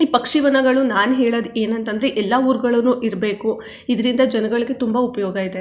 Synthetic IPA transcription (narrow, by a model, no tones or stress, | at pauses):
iːpɐkʂiʋɐnɐɡɐɭunaːnɦeːɭɐd̪eːnɐnt̪ɐnd̪ɐɾeʔɛlːɐuːɾɡɐɭɐnːuːʔiɾɐbe̞ːku | id̪ɐɾind̪ɐd͡ʒɐnɐɡɐɭiɡe̞t̪umbɐupɐjɔːɡɐid̪e